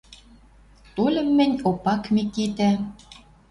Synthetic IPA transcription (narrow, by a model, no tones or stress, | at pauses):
t̪olʲə̆mːɘ̆nʲopɑkmekit̪æ